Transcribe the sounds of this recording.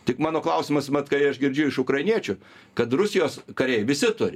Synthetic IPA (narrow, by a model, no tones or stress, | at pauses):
t̪ʲɪkmɑːnoːklˠɐʊsʲɪmɐsmɐt̪kɐɪɐʃɡʲɪɾʲd͡ʒʲɪʊɪʃʊkɾɐɪnʲiɛt͡ʃʲʊ | kɐt̪rʊsʲɪjoːskɐɾʲɛjʋʲɪsʲɪt̪ʊɾʲɪ